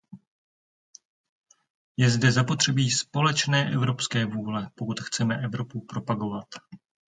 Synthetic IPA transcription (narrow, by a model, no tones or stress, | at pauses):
jɛzdɛzapo̞t̪r̝̥ɛbiːspo̞lɛt͡ʃnɛːʔɛvɾo̞pskɛːvuːlɛpokut̪xt͡sɛmɛʔɛvɾo̞pupɾo̞paɡo̞vat̪